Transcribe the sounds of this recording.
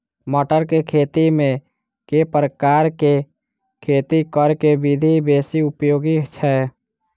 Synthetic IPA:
məʈəɾkekʰeːt̪imẽ | kepɾəkaːɾke | kʰeːt̪ikəɾkebɪd̪ʱibeːsiʊpjoːɡit͡ʃʰɛ

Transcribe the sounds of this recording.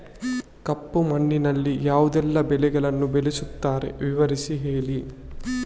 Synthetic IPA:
kɐpːumɐɳːinɐlːijaːʋud̪ɛlːɐbɛlɛɡɐɭɐnːubelisut̪ːaːɾe̞̰ʋiʋɐɾisiɦeːɭi

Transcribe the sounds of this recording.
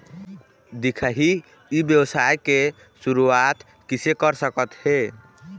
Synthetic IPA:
d̪ikʰəɦi | ibjəbsajke | suɾuat̪ | kisekəɾsəkət̪he

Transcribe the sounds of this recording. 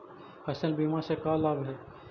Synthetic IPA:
hɐsəlbiːmasekaːlaːbɦɛː

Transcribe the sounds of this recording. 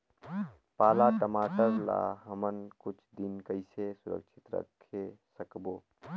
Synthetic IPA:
paːlaʈəmaːʈəɾla̰ɦəmənkʊt͡ʃʰd̪ɪnkəɪsesʊɾə̰kʃʰɪt̪ɾə̰kʰːesəkboː

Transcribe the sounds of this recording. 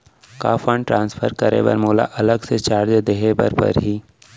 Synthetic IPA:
kaːfʰəɳʈɾãːnsfʰəɾkəɾḛːʋə̰ɾmoːla̰ʔɐləɡset͡ʃaːɾd͡ʒd̪eɦebə̰ɾpə̰ɾɦiː

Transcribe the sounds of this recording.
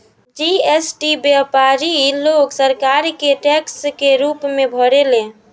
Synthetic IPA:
d͡ʒiesʈibjapaɾiloksəɾkaɾkeʈɛkskeɾupmebʱəɽelẽ

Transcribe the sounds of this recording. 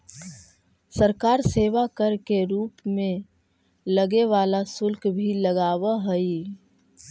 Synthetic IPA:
səɾkaːɾseːʋakəɾkeɾuːpmẽ | ləɡeʋaːlasʊlkbʱiləɡaːwaɦɛi

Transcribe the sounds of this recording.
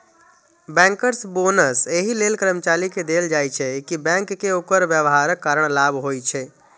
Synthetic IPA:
bɛ̃ŋkəɾsbonəseɦilelkəɾəmt͡ʃaliked̪eld͡ʒajt͡ʃʰɛkibɛ̃ŋkːeokəɾbjəʋɦaɾəkːaɾəɽ̃labɦojt͡ʃʰɛ

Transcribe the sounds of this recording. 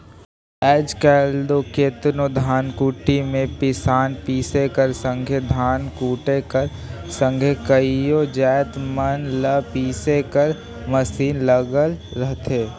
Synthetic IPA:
ɛːd͡ʒkɛːld̪okeːt̪nod̪ʱaːnkuːʈimẽpɪsaːnpiːsekəɾsə̃ŋɡʱed̪ʱaːnkuːʈekəɾsə̃ŋɡʱekəijod͡ʒɛːt̪mənləpiːsekəɾ | məsiːnləɡəlɾəɦt̪ʰeː

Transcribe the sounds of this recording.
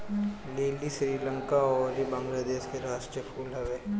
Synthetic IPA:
leːlisɾiːləŋkaɔːɾibɐ̃ŋɡlad̪eːʃkeɾaːʃʈɾijəpʰuːlɦɐʋeː

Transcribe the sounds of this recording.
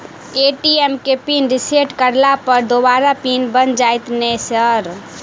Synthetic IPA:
eʈiemkepinɾiseʈkəɾlapəɾd̪obaɾapinbənd͡ʒajt̪nɛsəɾ

